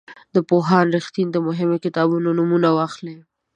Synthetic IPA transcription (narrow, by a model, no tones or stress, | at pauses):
d̪əpoɦɑnɾɪxt̪ind̪əmʊɦɪmokɪt̪ɑbunonumunawɑxle